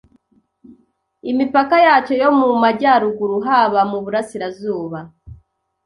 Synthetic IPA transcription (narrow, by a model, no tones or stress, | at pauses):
imipakajaːt͡ʃo̞jo̞mumaɟaːɾuɡuɾuɦaβamuβuɾasiɾazuːβa